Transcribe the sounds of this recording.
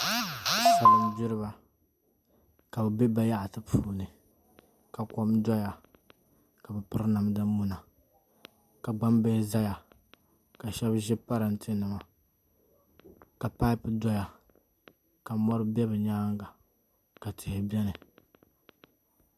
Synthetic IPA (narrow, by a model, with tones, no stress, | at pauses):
sa˨ɾɨ˦m˦bi˦ɾɨ˦ba˨ | ka˨bɛ˨bɛ˦ba˦ja˦ʔa˨tɨ˦pʰuː˨nɨ˨ | ka˨kɔ˦mdɔ˦ja˨ | ka˨bɛ˨pɨ˦ɾna˨mdɨ˦mu˦na˨ | ka˨ɡ͡ba˦mbe˦za˦ja˨ | ka˨ʃɛ˦bʒɪ˦pa˦ɾa˨n˦tʰɨ˦nɨ˨ma˨ | ka˨pa˦ɪ˦pɨ˦dɔ˦ja˨ | ka˨mɔ˦ɾɨ˦bɛ˦bɛ˨ɲaː˦ŋɡa˨ | ka˨tʰɪ˨hɪ˨bɛ˦nɨ˨